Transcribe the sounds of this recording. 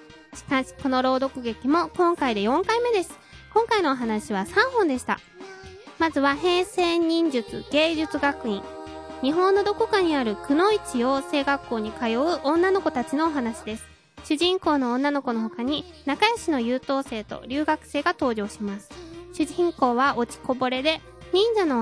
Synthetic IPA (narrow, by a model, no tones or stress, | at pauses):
ɕi̥kãɕi̥ko̞no̞ɾo̞ːd̪o̞kɯ̟ɡe̞kʲimo̞kõ̞ŋkaid̪e̞jõ̞ŋkaime̞d̪e̞sɨ̥kõ̞ŋkaino̞ːɦanaɕiβ̞asãɰ̃hõ̞nd̪e̞ɕi̥t̪a̰ | mazɨβaɦe̞ːseɲ̟ĩɲ̟d͡ʑɨt͡sɨ̰ɡ̥e̞ːʑɨt͡sɨɡakɯ̟ĩŋɲ̟iɦõ̞nːo̞d̪o̞kokaɲ̟iaɾɯ̟kɯ̟no̞it͡ɕiose̞ːɡakːo̞ːɲ̟ikajo̞ɯʔõ̞nːano̞ko̞t̪at͡ɕino̞ːɦanaɕid̪e̞sɨ̥ | ɕɨʑĩŋko̞ːnõ̞ːnːano̞ko̞no̞ɦo̞kaɲ̟inakajaɕino̞jɯːt̪o̞ːse̞ːt̪o̞̰ɾʲɨːɡakɯ̟̥se̞ːɡat̪o̞ːʑo̞ːɕimasɨ̥ɕɨʑĩŋko̞ːβao̞t͡ɕi̥ko̞bo̞ɾe̞d̪e̞ | ɲ̟ĩɲ̟d͡ʑano̞